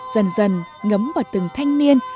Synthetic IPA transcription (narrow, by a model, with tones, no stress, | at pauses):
z̥ə˨˩nzə˨˩nŋə˨˦mvaː˨˩wt̪ɨ˨˩ŋt̪ʰa˧jŋ̟ni˧ən